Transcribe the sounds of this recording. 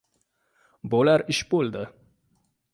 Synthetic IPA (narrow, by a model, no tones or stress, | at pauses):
bolaɾɪʃbolˠd̪ɪ